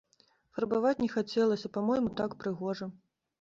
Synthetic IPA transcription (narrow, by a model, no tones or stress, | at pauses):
fɐrbavat͡sʲnʲɛxat͡sʲɛlˠɐsʲɐpamɔjmut̪akpɾɨɣɔʐɐ